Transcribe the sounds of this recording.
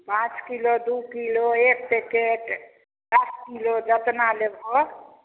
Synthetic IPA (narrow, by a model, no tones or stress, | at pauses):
pãt͡ʃkilod̪ukiloek̚pekeʈ | d̪əskilod͡ʒət̪nalebʱɔ